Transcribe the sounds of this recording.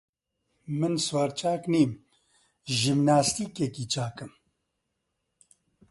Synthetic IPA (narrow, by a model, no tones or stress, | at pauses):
mɨnswaːɾt͡ʃʰaːkniːm | ʒimnaːst̪iːkɛkiːt͡ʃʰaːkɨm